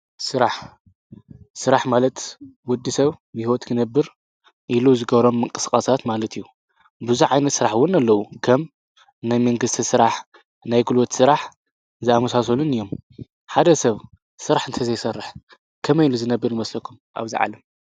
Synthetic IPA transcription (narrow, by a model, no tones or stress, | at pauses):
sɨɾaħ | sɨɾaħmalɐt̪wɔd̪ːisɐβmihwot̪kʰɨnɐbːɨɾ | ʔiluzɨɡɐβɾo̞mːɨŋkʼɨskʼasat̪malɐt̪ʰijːu | bɨzuʕajnɐt̪sɨɾaħwʊnalːɐwukʰɐm | najmɐŋɡɨst̪ʰisɨɾaħ | najɡɨlwot̪sɨɾaħ | zɨamɐsas̬olunɨjːom | ħad̪ɐsɐβ | sɨɾaħɨnt̪ʰɐzɐjsɐrːɨħ | kʰɐmɐjluzɨnɐbːɨɾnɨmɐslɐkʰumʔa̰βziʕa̰lɐm